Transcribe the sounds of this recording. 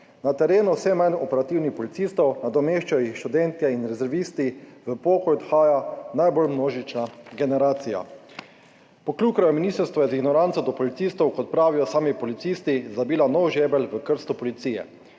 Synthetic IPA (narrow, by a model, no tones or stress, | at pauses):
nat̪ɛɾeːnusɛmajnɔpɛɾat̪iwnixpɔlit̪siːst̪ɔwnad̪ɔmeːʃt͡ʃajɔjixʃt̪ud̪ɛnt̪jɛinɾɛzɛɾʋist̪iʋəpɔːkɔjɔd̪xaːjanajbɔlmnoːʒit͡ʃnaɡɛnɛɾaːt̪sija̰ | pɔkluːkɾɔjɔminist̪əɾst̪ʋɔjɛziɡnɔɾansɔd̪ɔpɔlit̪siːst̪ɔwkɔt̪̚pɾaːʋijɔsaːmipɔlit̪sist̪izabiːlanɔwʒeːbɛlʋəkəɾst̪upɔlit̪siːjɛ̰